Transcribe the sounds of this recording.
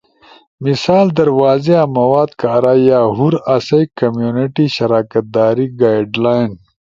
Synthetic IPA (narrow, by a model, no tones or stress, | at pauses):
misaːld̪ɐɾwaːzeamɐwaːd̪kaːɾaːjaːɦuɾɐsɐjkɐmjuːniʈiɕɐɾaːkɐt̪̚d̪aːɾiɡaːjɖlaːjn